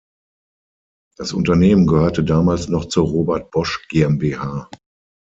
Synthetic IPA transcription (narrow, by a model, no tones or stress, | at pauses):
d̥asʔʊ̰ntɐneːmənɡəhøːɐtədaːmaːlsnɔχt͡suːɐʁoːbɛɐt̚b̥ɔʃɡ̥eːɛmbeːhaː